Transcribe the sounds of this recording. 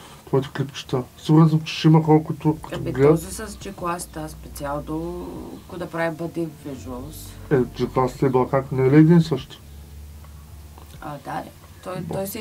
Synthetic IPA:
t̪vɔjt̪ɛ̥klʲipt͡ʃi̥t̪əsiɡuɾnzəmt͡ʃɛ̥ʃimɐkɔlˠkʊt̪ʊkt̪oiɡlɛɔzisɐst͡ʃiklˠast̪əspɛt̪sialˠd̪okod̪ɐpɾavibɐd̪iviʒuəlˠsɛt͡ʃiklˠast̪ɛblˠkakk̪nɛlɛːd̪insəʃt̪ʊ̥ | ad̪a | t̪ɔjt̪ɔjsi

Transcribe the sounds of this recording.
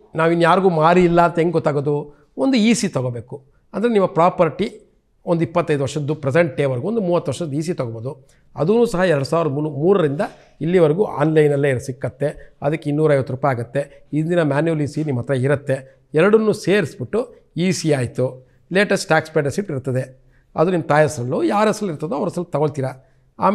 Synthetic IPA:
naːʋinːujaːɾiɡuːmaːɾiːlːɐːnt̪ɐeŋɡɡɔt̪ːaːɡoːd̪u | ond̪uiːsit̪ɔɡobeːku | ɐnd̪ɐɾenimːɐpɾaːpɐɾʈi | ond̪uipːɐt̪ːɐjd̪uʋɐɾʂɐd̪ːupɾɛseɳʈːeːʋɐɾɡuond̪umuːʋɐt̪ːuʋɐɾʂɐd̪iːs̬it̪ɔɡɔboːd̪u | ɐ̰d̪unuːsɐɦɐɛɾɐɽusaːʋiɾɐd̪ɐnumuːɾɐɾind̪ɐ | ilːiʋɐɾɡuʔa̰ːnlɐjnɐlːeːiɾsikːɐt̪ːe̞ɐ̰d̪ɐkːeinːuːɾɐjʋɐt̪ːuɾuːpajaːɡut̪ːe̞ | ind̪inɐmaːnjuliːsinimːɐt̪ːɾɐiɾɐt̪ːe̞ | ɛɾɐɽɐnːuːseːɾisibiʈːu | iːsiaːjt̪u | leːʈɐsʈʈaːkspeɖɐsiʈiɾt̪ːɐd̪e | ɐd̪unimːɐt̪aːjɐsɾɐlːuːjaːɾɐsɐlːiɾt̪ːɐd̪uɐʋɐɾɐsɐlːt̪ɐɡoɭt̪iːɾɐ | a̰ːm

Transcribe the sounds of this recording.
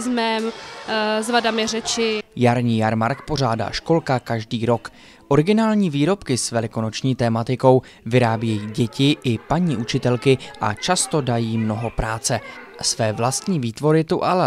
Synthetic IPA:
zmɛm | zvadamɪrɛt͡ʃɪjaɾɲiːjaɾmaɾkpo̞ʒ̝aːda̰ːʃko̞lkakaʒdiːɾo̞k | ʔo̞ɾɪɡɪnaːlɲiːviːɾo̞pkɪsvɛlɪko̞no̞t͡ʃɲiːt̪ɛːmat̪ɪko̞w | vɪɾaːbjɛjiːɟɛcɪʔɪpaɲiːʔut͡ʃɪt̪ɛlkɪʔa̰t͡ʃast̪o̞dajiːmno̞ɦo̞pɾaːt͡sɛsvɛːvlast̪ɲiːviːt̪vo̞ɾɪt̪uʔalɛ

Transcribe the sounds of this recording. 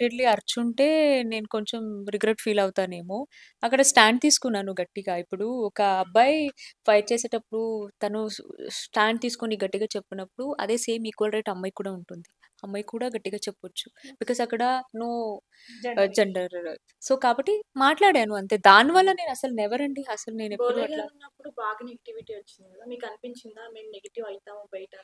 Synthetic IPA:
ʈeɖliɐɾt͡ʃuɳʈe̞ːne̞ːnuko̞ɲt͡ʃemɾiɡɾeʈfʰiːlɐwt̪aːne̞ːmoː | ɐkːɐɽɐsʈaːɳɖ̚t̪iːsu̥kunːaːnuɡɐʈːiɡaːipːuɽuɔkɐːbʱːaːjfɐjʈ̚t͡ʃeːseːʈɐpːuɽut̪ɐnusʈaːɳɖ̚t̪iːsu̥koniɡɐʈːiɡaːt͡ʃepːinɐpːuɽuɐ̰d̪e̞ːseːmiːkʋɐlɾɐjʈɐmːɐjkuːɽaːuɳʈund̪i | ɐmːɐjkuːɽaːɡɐʈːiɡaːt͡ʃepːɐʋɐt͡ʃːu̥b̥ikoːzɐkːɐɽɐnoː | d͡ʒeɳɖɐɾ | so̞ːkaːbɐʈːimaːʈlaːɽjaːnuɐnt̪e̞ːd̪aːniʋɐlːɐne̞ːnɐsɐlunɛʋɐɾɐɳɖiɐsɐlune̞ːnepːuɽuɐlɐunːɐpːuɽubaːɡɐneɡɐʈiʋiʈiːʋɐt͡ʃːinamiːkɐnipiɲt͡ʃind̪aːme̞ːmneɡɐʈiʋɐjt̪aːmoːbɐjɐʈɐ

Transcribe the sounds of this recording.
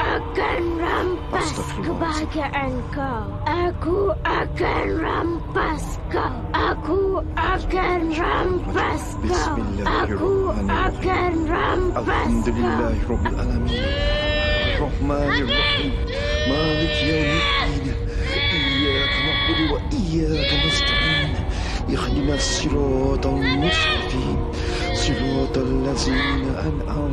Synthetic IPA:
ʔakanɾampas | kəbaɡaʔanka | ʔakuakanɾampas | ka | ʔakuakanɾampaskaakuakanɾampaaalʔami | ʔɑrˤːɑħmaːnɪrˤːɑħiːm | maːlɪkjaːnɪd̪iːn | ʔɪjːaːkanaqːʊlwaʔɪjːaːk̪amazt̪aʕiːn | jaxd̪ɪmasˤːɨɾˤɑːt̪almʊst̪ɑqiːn | sˤɨɾɑːt̪alːaðiːnaʔanʔa

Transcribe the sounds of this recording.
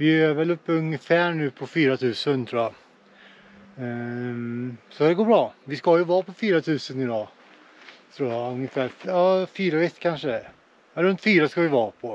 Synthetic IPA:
vɪøɛvɛlɵpːəɵŋːəfæːɳʉ̟ːpʰɔfyːɾat̪ʰʉ̟ːsənt̪ʰɾuːja | sɔd̪ɛɡoːɾbɾɑːvɪskajɵvɑːpʰɔfyːɾat̪ʰʉ̟ːsənɪd̪ɑː | t̪ʰɾuːjaɵŋjəfæːɾjɑːfyːɾaɛt̪ːkʰanʂə | ɾɵnt̪fyːɾaskavɪvɑːpʰɔ

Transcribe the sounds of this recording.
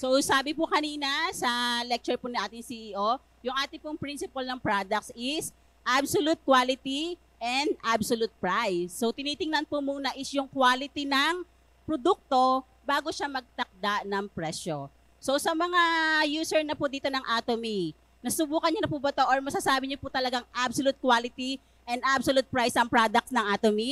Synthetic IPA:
sowsaːbɪpʊkɐniːnɐsɐlɛk̚t͡ʃɛɹpʊnɪʔaːt̪ɪŋsiʔiːʔo | jʊŋʔaːt̪ɪŋpʊŋpɾinsɪpɐlnɐŋpɹad̪ɐk̪̚sɪs | ʔabsolut̪̚kwalɪt̪i | ʔɛnd̪absolut̪̚pɹajsːowt̪ɪniːt̪ɪŋnɐnpomunɐʔɪsjʊŋkwaːlɪt̪inɐŋ | pɾod̪uk̚t̪o̞ | baːɡoʃamɐɡ̚t̪ɐk̚d̪aʔnɐŋpɹɛʃo | so̞sɐmɐŋajuːsɛɹnɐpʊd̪iːt̪o̞nɐŋʔaːt̪omi | nɐsʊbuːkɐnɲonɐpubɐt̪oʔɐɹmɐsasaːbɪɲoput̪ɐlɐɡaŋʔabsolut̪̚kwalɪt̪i | ʔɛnd̪ʔabsolut̪̚pɹajsɐŋpɹad̪ɐk̚tsnɐŋʔaːt̪omi

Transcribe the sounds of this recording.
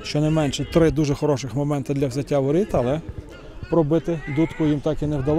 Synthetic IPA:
ʃt͡ʃɔnɐjmɛnʃɛt̪ɾɪd̪uʒɛxɔɾɔʃɪxmɔmɛnt̪ɪd̪lʲɐwzʲɐtʲːaʋɔɾʲit̪ɐlˠɛ | pɾɔbɪt̪ɪd̪ut̪kʊjimt̪ɑkinɛwd̪ɐlˠ

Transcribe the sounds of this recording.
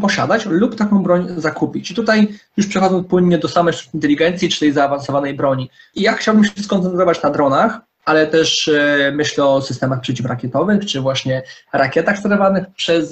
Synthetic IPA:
pɔɕa̰d̪at͡ɕlupt̪akɔ̃w̃bɾɔɲzakupʲit͡ɕit̪ut̪ajjuʂpʂɛxɔd̪zɔnpwɘɲːɛd̪ɔsamɛjfɾu̥t̪int̪ɛlʲiɡɛnt̪sʲjit͡ʂɘ̥t̪ɛjzaːvansɔvanɛjbɾɔɲi | ijaxt͡ɕawbɘmɕɛskɔnt̪sɛnt̪ɾɔvat͡ɕnad̪ɾɔnax | ʔalɛt̪ɛʂmɘɕlɛɔsɘst̪ɛmaxpʂɛt͡ɕifɾakʲɛt̪ɔvɘxt͡ʂɘvwaɕɲɛɾakʲjɛt̪axst̪ɛɾɔvanɘxpʂɛs

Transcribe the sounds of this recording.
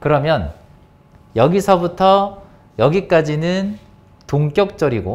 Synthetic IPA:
kɯɾʌmjʌn | jʌɡisʰʌbutʰʌ | jʌɡik͈ad͡ʑinɯn | toŋk͈jʌk̚t͡ɕ͈ʌɾiɡo

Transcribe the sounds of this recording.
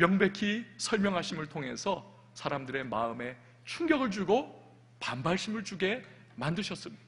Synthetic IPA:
mjʌŋbe̞kʰisʰʌɭmjʌŋɦaɕʰimɯɭtʰoŋɦe̞sʰʌ | sʰaɾamdɯɾe̞maɯme̞ | t͡ɕʰuŋɡjʌɡɯɭd͡ʑuɡo | panbaɭɕʰimɯɭt͡ɕuɡe̞ | mandɯɕʰʌs͈ɯmɲid̥a

